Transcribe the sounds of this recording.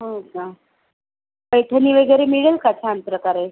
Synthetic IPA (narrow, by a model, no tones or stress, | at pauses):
ɦoka | pəjʈʰəniːʋəɡeɾemiɭəlkat͡ɕʰaampɾəkaɾe